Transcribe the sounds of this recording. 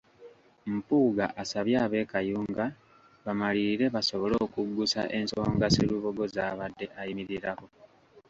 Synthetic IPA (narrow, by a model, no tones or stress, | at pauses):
m̩puːɡa̰ʔasaβjaːβe̞ːkajuːŋɡa | βamaliɾe̞βaso̞βo̞lo̞ːkuɡːusa̰ʔe̞nsoːŋɡasiluβo̞ɡo̞zaːβadːe̞ʔajimiɾiɾako̞